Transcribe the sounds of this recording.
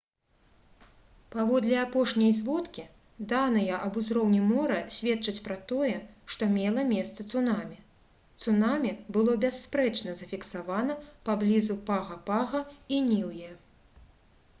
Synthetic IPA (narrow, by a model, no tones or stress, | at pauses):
pavɔd̪lʲɛapɔʂnʲɐjzʲvɔt̪kʲi | d̪anɐjɛʔɐbuzɾɔwnʲimɔɾɐsʲvʲɛt̪t͡ʂɐt͡sʲpɾɐt̪ɔjɛʂt̪ɔmʲɛlˠɐmʲɛst̪sɐt̪sunamʲi | t̪sunamʲibɨlˠɔbʲɛsːpɾɛt͡ʂnɐzɐfʲiksavanɐpablʲizupaɣɐpaɣɐinʲiwjɛ